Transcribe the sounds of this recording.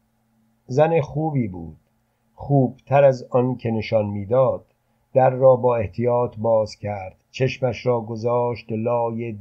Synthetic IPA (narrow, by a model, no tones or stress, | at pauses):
zænexuːbiːbṵːd̪̥̚ | χuːb̥t̪ʰæɾæzɒnkʰe̞ne̞ʃɒnmiːd̪ɒːd̪̥ː | æɾːɒːbɒːe̞ht̪ʰijɒːt̪ʰbɒːz̥cʰæɾd̪̥t͡ʃʰe̞ʃmæʃɾɒːɡozɒːʃt̪lɒːjed̪